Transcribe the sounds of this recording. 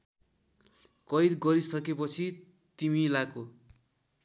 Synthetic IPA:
kʌjd̪ɡʌɾisʌkepʌt͡sʰi | t̪imilako

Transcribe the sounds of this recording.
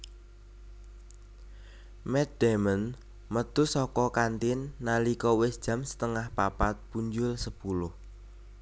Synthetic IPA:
mɛt̪̚d̪̥ɛmən | mət̪usɔkɔkant̪ɪnːalikɔwɪsd̥ʒ̥ä̤msə̥t̪əŋahpapat̪̚puɲd͡ʒʊlsəpulʊh

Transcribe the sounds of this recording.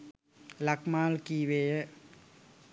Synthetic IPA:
lakmaːlkiːʋeːjə

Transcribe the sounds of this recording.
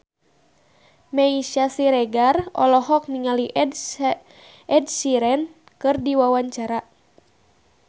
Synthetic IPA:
maiʃasiɾɛɡarɔ̰lɔɦɔk̚niŋaliʔd | ɛdsiɾɛn | kɨrdiwawaɲt͡ʃaɾa

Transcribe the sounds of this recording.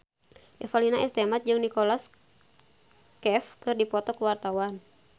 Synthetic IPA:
ʔɛfalinaɛst̪ɛmat̪̚d͡ʒɨŋnikɔlas | kɛfkɨrdipɔt̪ɔkuwart̪awan

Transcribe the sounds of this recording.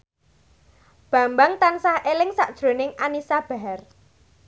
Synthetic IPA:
b̥ä̤mbaŋt̪ansahʔelɪŋsaʔd̥ʒ̥ɾo̤nɪŋanisab̥a̤ɦɛr

